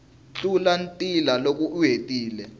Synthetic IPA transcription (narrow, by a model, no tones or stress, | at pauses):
t͡ɬulantʼilalok̬ʼuʔuɦetʼiːlɛ